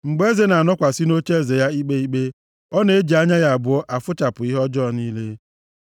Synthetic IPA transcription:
ŋ͡m̩˨ɡ͡be˦ze˨na˨nɔ˦kʷa˨si˦no˦t͡ʃe˦˨ze˨ja˦i˦k͡pe˦i˦k͡pe˦ | ɔ˦ne˨e˦d͡ʒi˨a˦ɲa˦ja˨a˨bʊ˨ɔ˦ʔa˨fʊ˦t͡ʃa˨pʊ˨i˦ɦɔ˦d͡ʒɔ˦˨niː˦le˦

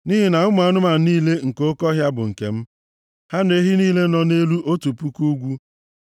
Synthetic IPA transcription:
ni˦ɦi˦na˨ʊ˦ma˨˦nʊ˦ma˨˦niː˦le˦ŋ̩˨ko˦kɔ˦ɦja˦bʊ˨ŋ̩˨kḛ˨m̩˦ | ha˦n˦e˦ɦi˦niː˦le˦nɔ˨ne˦lu˦ʔo˦tu˨pu˦ku˦ɡʷu˦

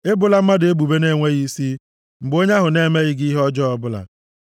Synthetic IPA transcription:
e˦bʊ˨la˦m̩˦ma˦de˦bu˨be˦ne˦˨ŋʷe˦ɣi˦si˦ | m̩˨bo˦ɲe˦ɦʊ˨ne˦me˦ɣɪ˦ɡi˦ɦɔ˦d͡ʒɔ˦ɔ˦bʊ˦la̰˨

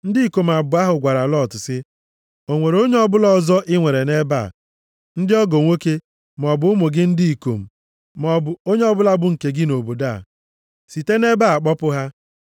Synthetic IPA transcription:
n̩˦dɪ˦i˨ko˨m̩˨a˨bʊ˨a˦ɦʊ˨ɡʷa˨ɾa˨lɔ˦˨tʊ˨sɪ˦ | o˨ŋʷe˨ɾo˦ɲe˦ɔ˦bʊ˦lɔ˦˨zɔ˦ʔɪ˦ŋʷe˨ɾe˨ne˦ba̰˦˨ | n̩˦dɪ˦ɔ˦ɡo˨ŋʷo˦ke˦ | m˨ɔ˨bʊ˦ʊ˦mʊ˨ɡɪ˦n̩˦dɪ˦i˨ko˨m̩˨ | mɔ˨bʊ˨o˦ɲe˦ɔ˦bʊ˦la˦bʊ˦ŋ̩˨ke˨ɡɪ˦no˨bo˨da̰˦˨ | si˨te˦ne˦ba˦˨a˨k͡pɔ˦pʊ˦ɦa˦

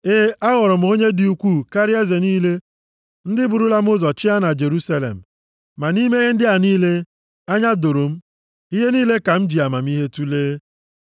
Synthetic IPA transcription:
e˦a˦ɣʊ˨ɾʊ˨m̩˦o˦ɲe˦dɪ˨u˨kʷu˦˨ka˦ɾɪ˦a˦ze˨niː˦le˦ | n̩˦dɪ˦bʊ˨ɾu˦la˦m̩˦ʊ˦zɔ˨t͡ʃɪ˦a˦na˨d͡ʒe˨ɾu˦sa˦lḛ˨m̩˨ | ma˨ni˦me˦ɦe˦n̩˦dɪ˦a˨niː˦le˦ | a˦ɲa˦do˨ɾo˨m̩˦ | i˦ɦe˦niː˦le˦ka˨m̩˦d͡ʒi˨a˨ma˨m̩˦i˦ɦe˦tu˦leː˦

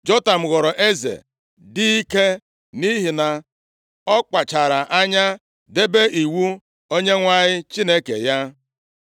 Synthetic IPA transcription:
d͡ʒɔ˦ta˨m̩˨ɣɔ˨ɾɔ˨ʔe˦zḛ˨ | di˦i˦ke˦ | ni˦ɦi˨na˨ | ɔ˦k͡pa˨t͡ʃa˨ɾa˨ʔa˦ɲa˦ | de˦be˦i˨wu˦ | o˦ɲe˦ŋʷa˦ɲɪ˦t͡ʃi˦ne˦kḛ˨ja˦

